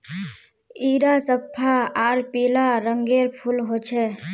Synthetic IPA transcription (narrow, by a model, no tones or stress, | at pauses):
iːɾasəpʰːaaːɾpilaɾəŋɡeɾpʰulɦot͡ʃʰɛ